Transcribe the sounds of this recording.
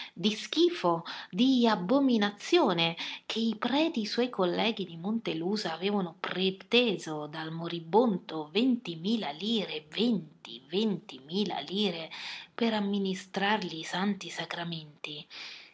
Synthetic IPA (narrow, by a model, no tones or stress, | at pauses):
d̪isk̟iːfod̪iabːominat̪sːjoːnek̟ʰeipɾɛːt̪iːswɔjkolːɛːɡ̟id̪imont̪eluːzaːvɛːvanʊpɾet̪ɛːzod̪almoɾibːont̪ovent̪imiːlaliːɾevent̪ḭvent̪imiːla̰liːɾepeɾamːinist̪ɾarliːsant̪isakɾament̪i